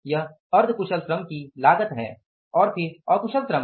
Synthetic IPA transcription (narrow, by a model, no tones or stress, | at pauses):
jɐɦ | ɐɾd̪ʱkʊʃəlt̪ɾɐmkilaːɡət̪ɦɛ̰ː | ɔːɾpʰɪɾɐːkʊʃəltɾə̃m